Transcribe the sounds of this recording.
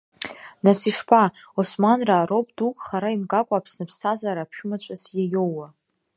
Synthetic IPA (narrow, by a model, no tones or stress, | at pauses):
nasiʂpʰaosmanraːɾo̞pʰʼdukʼχaɾaimɡakʷʼaːpʰsnɨpʰstʰazaɾaːpʰʃᶣʊmat͡ʃʷʼasjajowwa